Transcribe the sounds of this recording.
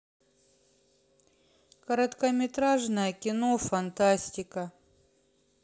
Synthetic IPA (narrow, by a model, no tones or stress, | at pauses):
kɐɾɐt̪kɐmʲɪt̪ɾaʐnəjəkʲɪnofɐnt̪asʲtʲɪkə